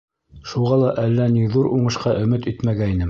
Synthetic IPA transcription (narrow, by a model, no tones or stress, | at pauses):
ʃuʁɑlˠɑʔælːæniðuɾʔuɴɤ̆ʃqɑʔɵ̆mɘt̪ɵt̪mæɡæinɘm